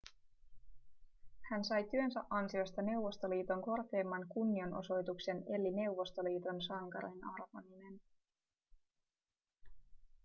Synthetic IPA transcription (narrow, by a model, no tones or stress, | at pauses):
hænsɑjt̪yø̞nsæʔɑnsio̞st̪ɑne̞wʋːo̞st̪o̞liːt̪o̞ŋko̞rke̞ːmːɑŋkunːio̞nʔo̞̰so̞jt̪ukse̞ne̞lːine̞wʋːo̞st̪o̞liːt̪o̞nsɑŋkɑɾo̰nɑrʋɑmine̞n